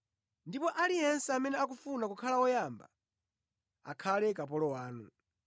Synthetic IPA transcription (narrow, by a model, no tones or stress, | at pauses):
ndipɔʔalijɛnsɛamɛnɛak̬ufunakukʰalaɔjamba̰ | a̰kʰalɛk̬ap̬ɔlɔwaːnṵ